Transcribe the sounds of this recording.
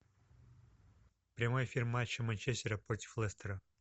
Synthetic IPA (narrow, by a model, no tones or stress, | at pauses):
pɾʲɪmojfʲirmat͡ɕːəmɐnʲt͡ʃesʲtʲɪɾəpɾot̪ʲɪ̥flˠɛst̪əɾə